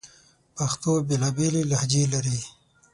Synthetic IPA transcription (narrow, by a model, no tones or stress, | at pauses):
pɐxt̪obelaːbelilahd͡ʒilaɾi